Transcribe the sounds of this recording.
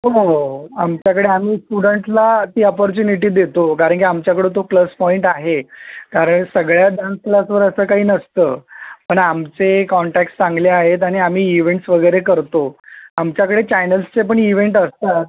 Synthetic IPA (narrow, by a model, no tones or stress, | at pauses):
ɦoamt͡ɕjakəɽeam̤iːsʈuɽəɳʈlat̪iːɔpɔɾt͡ɕuniʈ̬iːd̪et̪okaɾəɳk̬iamt͡ɕjakəɽet̪̬opləspɔiɳʈaɦekaɾəɳsəɡɭjaɖansklasʋəɾəsəːkaɦiːnəst̪əːpəɳamt͡sekɔɳʈækʈt͡sãŋɡleaɦet̪̬aɽ̃iam̤iːʋeɳʈsʋəɡəjɾekəɾt̪oamt͡ɕjakəɽet͡ɕajnəlst͡sep̬əɳiʋeɳʈəst̪at̪̚